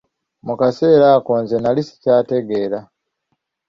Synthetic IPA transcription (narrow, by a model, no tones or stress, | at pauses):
mukaseɾakonzenalisi̥caːte̞ɡeɾa